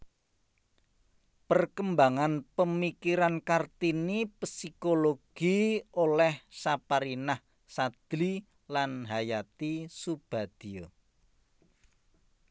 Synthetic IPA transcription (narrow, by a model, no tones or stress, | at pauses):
pərkəmbaŋanpəmikiɾankart̪inipsikoloɡ̥i̤olɛhsapaɾinah | sad̪̥li | lanɦajat̪isub̥a̤d̪̥i̤o